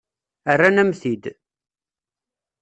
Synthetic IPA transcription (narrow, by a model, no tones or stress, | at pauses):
ərːanæmθid̪